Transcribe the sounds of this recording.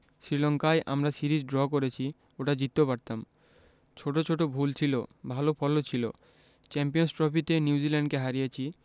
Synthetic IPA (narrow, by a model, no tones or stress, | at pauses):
sɾilɔŋkajʔa̰mɾasiɾid͡ʑɖɾɔkoɾet͡ɕʰi | oʈad͡ʑit̪ːopaɾt̪am | t͡ɕʰoʈot͡ɕʰoʈobʱult͡ɕʰilo̰bʱalopʰɔlot͡ɕʰilo̰ | t͡ɕɛmpijonsʈɾɔpit̪eniud͡ʑilɛɳɖkeɦaɾijet͡ɕʰi